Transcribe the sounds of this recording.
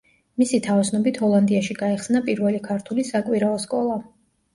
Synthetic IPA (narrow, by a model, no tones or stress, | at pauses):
misit̪ʰavsnɔbit̪ʰhɔlˠand̪iaʃiɡaɛχsnapʼiɾvɛlikʰaɾt̪ʰulisakʼwiɾaɔskʼɔlˠa